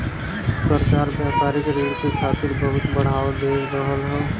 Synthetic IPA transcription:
səɾkaːɾbjəɦpaːɾɪkɾeːɽkekʰaːt̪ɪɾbəɦʊt̪bəɽ̤aːʋd̪eːɾəɦəlɦɛː

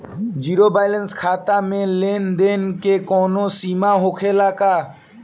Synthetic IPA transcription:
d͡ʒiːɾobaːjlənskʰaːt̪amẽleːnd̪eːnkekɔːnosiːmaɦoːkʰeːlaːkaː

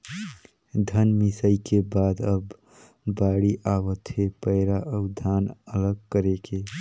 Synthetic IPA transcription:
d̪ʱənmisəikebaːd̪əb | baːɽiʔawət̪ɦepəɪɾaʔəʊd̪ʱaːnələɡ̚kəɾeke

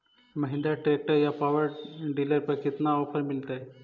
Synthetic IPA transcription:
məɦind̪aʈek̚ʈəjapaʋəɾɖilaɾpəɾkit̪naɔpəɾmilt̪aj

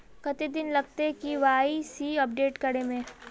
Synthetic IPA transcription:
kɐt̪id̪ɪnlɐɡ̚t̪ekiʋaːisiːɐp̚ɖeːʈkɐɽemẽː

